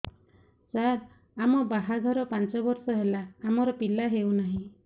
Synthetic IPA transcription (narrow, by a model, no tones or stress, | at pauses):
saɾ | amɔbaɦaɡ̪ʱɔɾɔpant͡ʃɔbɔɾsɔɦelaːmɔɾɔpilaɦewnaɦĩ